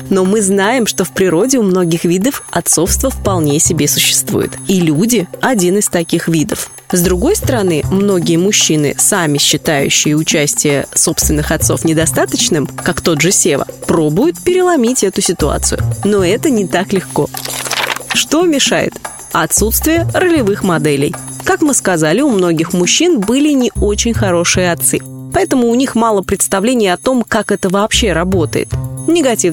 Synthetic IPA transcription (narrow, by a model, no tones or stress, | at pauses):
no̞mɨznajɪmʂt̪o̞fpɾʲɪɾo̞dʲɪʊmno̞ɡʲɪxvʲid̪əfɐt̪so̞fst̪vəfpɐlˠnʲesʲɪbʲe̞sʊ̥ɕːɪ̥st̪vṵjɪ̰t̪ilʲudʲɪɐdʲinɨst̪ɐkʲixvʲid̪əf | zd̪ɾʊɡo̞jst̪əɾɐnɨmno̞ɡʲɪjəmʊɕːinɨ̰samʲɪɕːɪt̪ajʉ̰ɕːɪjəʊt͡ɕæsʲtʲɪjə̰so̞pst̪vʲɪnːɨxɐt̪so̞fnʲɪd̪ɐst̪at̪ət͡ɕnɨmkakt̪o̞d̪ʐɨsʲevə̰pɾo̞bʊjʊt̪̚pʲɪɾʲɪlˠɐmʲitʲɛt̪ʊsʲɪt̪ʊa̰t̪sɨ̰jʊ̰no̞ɛt̪ənʲɪt̪aklʲɪxko̞ | ʂt̪o̞mʲɪʂajɪ̰t̪ | ɐt̪sut̪st̪vʲɪjərəlʲɪvɨxmɐd̪ɛlʲɪ̰j | kakmɨskɐzalʲɪʊmno̞ɡʲɪxmʊɕːinbɨlʲɪnʲɪo̞t͡ɕɪnʲxɐɾo̞ʂɨjəɐt̪sɨpɐɛt̪əmʊːnʲixmɑlˠəpɾʲɪt̪st̪ɐvlʲenʲɪjɐt̪o̞mkakɛt̪əvɐːpɕːe̞ɾɐbo̞t̪ə̰jɪ̰t̪nʲɪɡɐtʲi